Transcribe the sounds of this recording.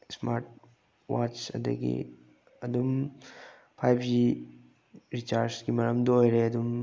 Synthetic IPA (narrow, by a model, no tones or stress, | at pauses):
smaɾʈ̚ | wat͡ʃɐ̰d̪ɐ̰ɡḭ | ɐd̪um | pʰajbʰd͡ʒi | ɾit͡ʃaɾsɡimɐɾɐmd̪ɐojɾeɐd̪um